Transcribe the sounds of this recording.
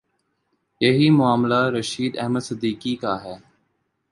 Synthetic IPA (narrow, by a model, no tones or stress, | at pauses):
jɐɦimʊaːmlaɾəʃiːd̪ɛ̰ɦməd̪sɪd̪iːkikaɦɛː